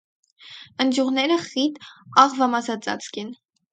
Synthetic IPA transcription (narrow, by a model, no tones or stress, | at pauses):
ənd͡ʒjuʁnɛɾəχit̪ɑʁvɑmɑsɑt͡sɑ̰t͡skɛn